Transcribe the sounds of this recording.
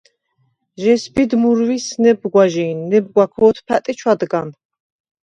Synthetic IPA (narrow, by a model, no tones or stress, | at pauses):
ʒɛsbid̪muɾwisnɛbɡwaʒiːnːɛb̚ɡwakʰɔːt̪ʰpʰæt̪ʼit͡ʃʰwad̪ɡan